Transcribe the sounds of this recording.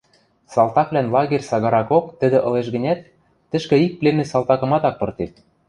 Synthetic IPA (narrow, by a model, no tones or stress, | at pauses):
sɑlˠt̪ɑkβlænlɑɣerʲsɑɣɑɾɑkokt̪ə̆d̪ĕʔɤ̆leʃɣɘ̆nʲæt̪ː | ɘ̆ʃkɘ̆ik̚plemɘ̆sɑlˠt̪ɑkɤ̆mɑt̪ɑk̚pɤ̆rt̪et̪̚